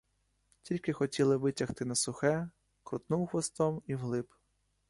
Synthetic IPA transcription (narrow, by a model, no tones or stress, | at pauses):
tʲilʲkɪxɔtʲilˠɪʋɪtʲɐxt̪ɪnɐsʊxɛ | kɾʊt̪nuwxʋɔst̪ɔmiwlˠɪp